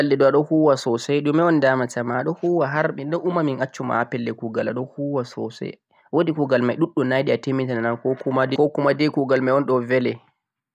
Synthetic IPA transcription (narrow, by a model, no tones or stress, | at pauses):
alːɛɗɔaɗɔhuːwasɔsɛjɗumːɛɔndamatamaːɗɔhuːwaɦaɾɓiɗɔʔumaminʔat͡ʃːuma̰apɛlːɛkuɡala̰ɗɔhuwasɔ̰sɛ̰ | wodikuɡalmajɗuɗːunajɗiatemitananankɔkumadkɔkumadekuɡalmajɔnɗɔvɛlɛ